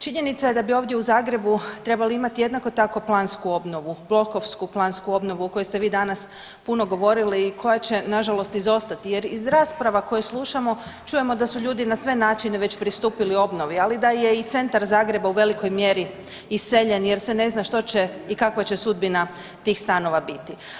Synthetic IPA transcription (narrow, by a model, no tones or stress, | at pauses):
t͡ʃiɲe̞nit̪saje̞d̪abio̞ːʋd̪je̞uzaːɡɾe̞but̪ɾe̞baliimat̪ije̞d̪nako̞t̪ako̞plˠaːnskuo̞bno̞ʋub̥lˠo̞ko̞ʋskuplˠanskuo̞bno̞ʋuoko̞jest̪eʋiːd̪anas | puno̞ɡo̞ʋo̞ɾiliːkʰo̞jat͡ɕe̞naʒalo̞st̪izo̞st̪at̪ije̞ɾizɾaːspɾaʋako̞jeslˠuʃamo̞t͡ʃuje̞mo̞d̪asuʎuːd̪inasʋe̞naːt͡ʃine̞ʋe̞t͡ɕpɾist̪uːpilio̞bno̞ʋialid̪aje̞it̪se̞nt̪aɾzaːɡɾe̞bauʋe̞liko̞jmje̞ɾi | isseʎe̞nje̞ɾsʋene̞znaʃt̪o̞t͡ɕe̞ikakʋat͡ɕe̞sud̪̚bina | t̪iːxst̪ano̞ʋabit̪i